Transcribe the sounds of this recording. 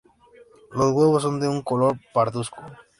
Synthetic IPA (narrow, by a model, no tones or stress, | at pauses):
lozɣweβ̞os̬ːond̪euŋkolo̞ɾpaɾðusko